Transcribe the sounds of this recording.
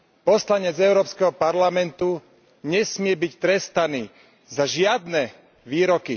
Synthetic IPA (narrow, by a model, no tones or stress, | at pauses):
pɔslaɲɛd͡zɛʊɾɔːpskɛɦɔpaɾlamɛnt̪u | ɲɛsmɪɛbict̪ɾɛst̪aniː | zaʒɪad̪nɛ | ʋiːɾɔki